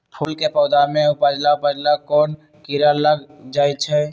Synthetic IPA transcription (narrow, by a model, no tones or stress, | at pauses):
pʰuːlkepɔːd̪amẽʊpəd͡ʒlaʊpəd͡ʒlakɔːn | kiɾaləɡd͡ʒaːit͡ʃʰɛ